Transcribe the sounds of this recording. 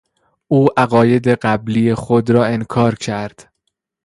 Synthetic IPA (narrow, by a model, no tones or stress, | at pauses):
ʔuːʔæɣɒːje̞d̪e̞ɢæblijexod̪ɾɒːe̞nkʰɒːɾcʰæɾd̪̥